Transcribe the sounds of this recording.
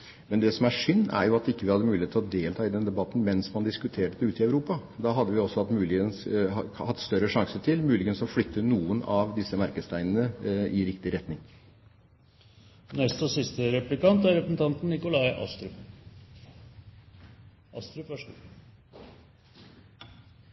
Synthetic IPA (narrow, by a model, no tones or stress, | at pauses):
mɛnd̪ɛsɔmæʂʏnːæ̰ɾjʊɑt̪ːɪkːəʋɪhɑd̪ːəmʉːlɪet̪lɔd̪eːlt̪ʰɑːɪd̪ɛnd̪ɛbɑt̪ːn̩mɛnsmɑnd̪ɪskʉt̪ʰeːʈəd̪ɛʉːt̪ɪɑʉɾuːpɑd̪ɑːɦɑd̪ːəʋɪɔsːɔɑt̪mʉːlɪɡənshɑt̪ːst̪œɾəʂɑŋsəʈʰɪlmʉːlɪɡənsɔflʏt̪ʰːənuːənɑʋd̪ɪsːəmæɾkəst̪ʰæɪnənəɪɾɪkt̪ɪɾɛt̪nɪŋ | nɛst̪ɔsɪst̪əɾɛplɪkɑnt̪æɾɛpəsn̩t̪ʰɑnt̪n̩ːɪkʊlɑɪʔɑ̰st̪ɾʉ | ɑst̪ɾ